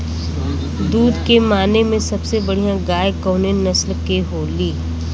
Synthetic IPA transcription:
d̪uːd̪kemaːnemẽsɐbsebɐɽ̤ijãɡaːjkoːnenɐslkeɦoːliː

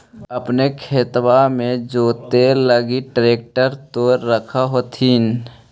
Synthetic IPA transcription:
əpnekʰeːt̪wamẽd͡ʒoːt̪eləɡiʈɾeːk̚ʈəɾt̪oːɾːəkʰaɦot̪ʰiːn

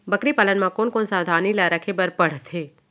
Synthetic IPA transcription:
bəkɾipaːlənmãkonkonsãd̪ʱãnilaɾakʰebəɾpəɽ̤t̪ʰe

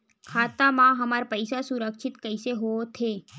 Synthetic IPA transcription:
kʰaːt̪amãɦəmaɾpəɪsasuɾəkʃʰɪt̪kəɪseɦoot̪ʰeː

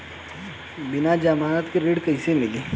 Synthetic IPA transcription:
bɪnad͡ʒamat̪keɾeːɖkəisemɪliː

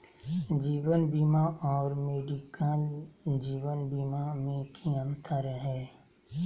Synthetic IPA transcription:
d͡ʒiːwənbiːmaʔɔːɾmeːɖikand͡ʒiːwənbiːmamẽkʰiə̃nt̪ʰəɾɦɛː

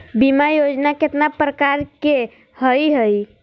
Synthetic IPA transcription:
bimajod͡ʒnaket̪napɾəkaɾke | həjɦəj

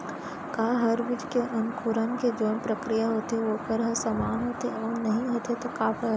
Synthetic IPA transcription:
kaːɦɐɾʋɪʈkeʔɐnkʰuɾənked͡ʒoːnpɾɐkɾijaɦoːt̪ɦɛʋokɐɾɦəsamaːnɦoːt̪eɔːnɐɦĩɦoːt̪et̪okaːpʰɐ

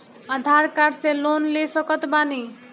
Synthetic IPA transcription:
ad̪ʱaɾkaɖselonlesɔkɔt̪bani

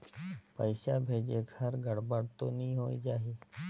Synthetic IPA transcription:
pəɪʃabʱeːd͡ʒekʰəɾɡəɽbəɽt̪onĩːɦoːid͡ʒaːɦi

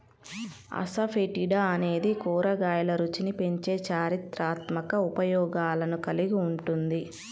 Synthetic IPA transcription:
ɐ̰sɐpʰeʈiɽaɐne̞ːd̪ikuːɾɐɡaːjɐlɐɾut͡ʃinipe̞ɲt͡ʃe̞ːt͡ʃaːɾit̪ɾaːt̪mɐkɐupɐjɔːɡaːlɐnukɐliɡiuɳʈund̪i

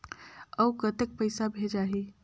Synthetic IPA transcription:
əukət̪ek̚pəɪsabʱed͡ʒaɦi

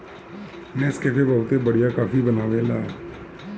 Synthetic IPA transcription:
nɛskepʰebɐʋt̪ebəɽijakaːfibənaːʋelaː

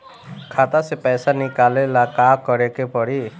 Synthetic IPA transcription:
kʰat̪asepɛjsanikalelakakɔɾekepɔɽi

